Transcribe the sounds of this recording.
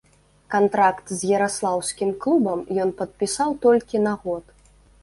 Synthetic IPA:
kant̪ɾakt̪zʲjɐɾaslˠawsʲkʲimklˠubɐmjɔnpɐt̪̚pʲisawt̪ɔlʲkʲinɐɣɔt̪

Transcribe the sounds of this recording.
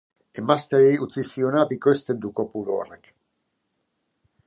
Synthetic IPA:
emast̪eɾiut͡sisionabikest̪end̪ukopulo̰rek

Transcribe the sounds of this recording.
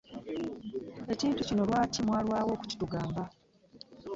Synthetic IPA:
e̞ciːntucino̞lwaːcimwaːlwaːwo̞ːku̥ci̥tuɡaːmba

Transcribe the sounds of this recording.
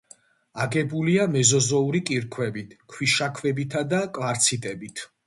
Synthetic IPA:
aɡɛbuliamɛzɔzɔuɾikʼiɾkʰwɛbit̪ʰkʰwiʃakʰvɛbit̪ʰad̪akʼlaɾt̪sʰit̪ʼɛbit̪ʰ

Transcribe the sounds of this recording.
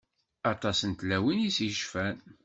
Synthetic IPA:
ɑt̪ˤɑsənt̪læwinisjʃfæn

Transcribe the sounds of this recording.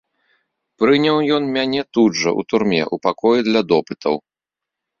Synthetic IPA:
pɾɨnʲɐwjɔnmʲanʲɛt̪udʐɐ̰ʔṵt̪urmʲɛ̰ʔupakɔjid̪lʲɐd̪ɔpɨt̪ʰɐ̰w

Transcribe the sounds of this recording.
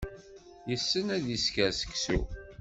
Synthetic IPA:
jəsːənæðiskəsə̥ksṵ

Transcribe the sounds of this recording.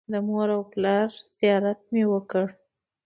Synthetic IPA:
d̪əmoɾawplɑɾz̥ijɑɾat̪̚mewəkəɽ

